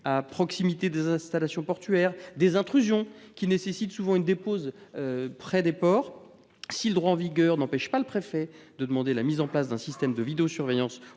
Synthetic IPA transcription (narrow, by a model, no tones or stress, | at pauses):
apχɔksimit̪ed̪ezɛ̃st̪alasjɔ̃pɔʁt̪ɥɛʁd̪ezɛ̃t̪χyzjɔ̃kʲinesesit̪suvɑ̃ynd̪epozøpχɛd̪epɔʁ | siləd̪ʁwaɑ̃viɡʲœʁnɑ̃pɛʃpaləpχefɛd̪əd̪əmɑ̃d̪elamizɑ̃plasd̪ɛ̃sist̪ɛmd̪əvid̪eosyʁvejɑ̃s